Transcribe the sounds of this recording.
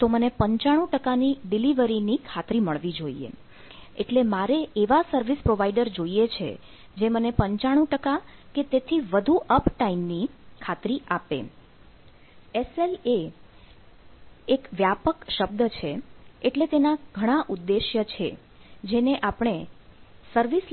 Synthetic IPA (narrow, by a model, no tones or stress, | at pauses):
t̪omənepəɲt͡ʃaɽ̃ũʈəkaniɖiliʋəɾinikʰat̪ɾiməɭʋid͡ʒoiḛ | eʈlemaɾeʔeʋasəɾʋispɾoʋaiɖəɾd͡ʒoiet͡ʃʰḛ | d͡ʒemənepəɲt͡ʃaɽ̃ũʈəkaket̪et̪ʰiʋəd̪ʱuʔəpʈaimnikʰat̪ɾiʔapḛ | esele | ekʋjapəkʃəb̚d̪ət͡ʃʰeeʈlet̪enaɡʱəɽ̃aʔud̪ːeʃjət͡ʃʰḛ | d͡ʒeneʔapɽ̃esəɾʋis